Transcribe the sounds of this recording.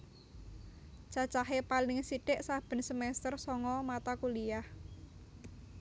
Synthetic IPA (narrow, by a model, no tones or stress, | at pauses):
t͡ʃat͡ʃaɦepalɪŋsiʈɛʔsab̥ə̤nsəmɛst̪ərsɔŋɔmat̪akulijah